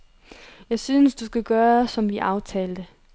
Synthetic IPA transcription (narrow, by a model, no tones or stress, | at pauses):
jɑ̈ɪsyːnəsd̥usɡ̥æɡ̥ɶːɐsɒ̽mʋiʔɑ̈ʊt͡sʰɛ̰ːld̥ə